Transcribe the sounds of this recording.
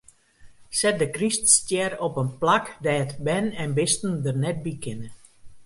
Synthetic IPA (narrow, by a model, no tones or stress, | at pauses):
sɛt̚dəkriststjɛrɔpənplakdɛjətbɛnɛnbɪstn̩dərnɛt̚bikʰɪnə